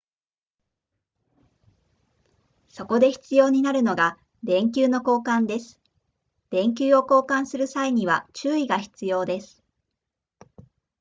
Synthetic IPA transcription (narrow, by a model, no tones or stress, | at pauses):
so̞ko̞d̪e̞çi̥t͡sɨjo̞ːɲ̟inaɾɯ̟no̞ɡa | d̪ẽ̞ŋkʲɨːno̞ko̞ːkãnd̪e̞sɨ̥ | d̪̥ẽ̞ŋk̬ʲɨːo̞ko̞ːkãɰ̃sɨɾɯ̟saiɲ̟iβ̞at͡ɕɨːiɡaçi̥t͡sɨjo̞ːd̪e̞sɨ̥